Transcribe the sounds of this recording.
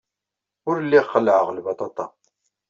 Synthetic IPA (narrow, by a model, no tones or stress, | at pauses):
ʊɾlːiχːəlːʕəʁlbɑt̪ˤɑt̪ˤɑ